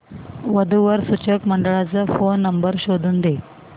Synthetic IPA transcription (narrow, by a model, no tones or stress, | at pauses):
ʋəd̪ʱuʋəɾsut͡ɕəkməɳɖəɭat͡safonːəmbəɾɕod̪ʱuːnd̪e